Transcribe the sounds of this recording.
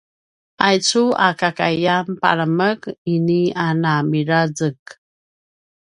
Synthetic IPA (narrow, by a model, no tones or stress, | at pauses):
ʔajt͡sua̰kakajjanpa̰ɾəməkinianamiɾazək̚